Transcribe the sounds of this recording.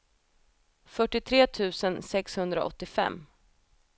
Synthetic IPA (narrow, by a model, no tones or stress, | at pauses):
fœʈːɪt̪ʰɾeːt̪ʰʉ̟ːsənsɛkshɵnd̪ɾa̰ʔɔ̰t̪ːɪfɛ̰mː